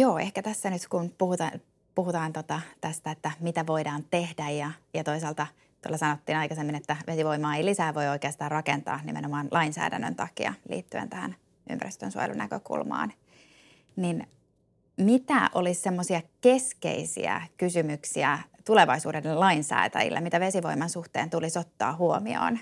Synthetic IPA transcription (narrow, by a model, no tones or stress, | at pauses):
joːehkæt̪æsːænyt̪kunpuhut̪ɑ | puhut̪ɑːnt̪ot̪ɑt̪æst̪æet̪ːæmit̪æʋo̞idɑːnt̪e̞hdæjjɑjɑt̪o̞isɑːlt̪ɑ | t̪uo̰lːɑsɑnot̪ːiːnɑjkɑsemːinet̪ːæʋesiʋo̞imɑːeilisæːʋo̞io̞ikeɑnsit̪ɑːrrɑkent̪ɑ̰ːnimḛnomɑːnlʔɑinsæ̰ːdæ̰nːø̰nt̪ɑkḭɑ̰lḭːt̪ːyḛnt̪æhæ̰n | y̰mpæɾist̪ø̰nsuɑ̰jḛlṵnæ̰køkṵlmɑ̰ːn | nin | mit̪æʔolissemːosiɑke̞skḛisḭæ̰kysymyksiæt̪uleʋɑisuːdedelɑinsæ̰ːt̪æ̰jḭlːḛmit̪æʋe̞siʋo̞imɑnsuht̪eːnt̪ulisot̪ːɑ̰ːɦuomio̰ːn